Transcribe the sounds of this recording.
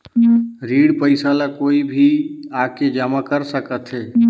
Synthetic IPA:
ɾiːɽpəɪsalakoːibʱiaked͡ʒaːmakəɾsəkət̪ɦɛː

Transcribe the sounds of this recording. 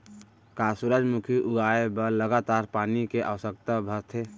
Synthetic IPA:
kasuɾəd͡ʒmukʰiʔuɡaebəɾləɡat̪aɾpaːnikeʔa̰ʋəsək̚t̪abʱət̪ʰe

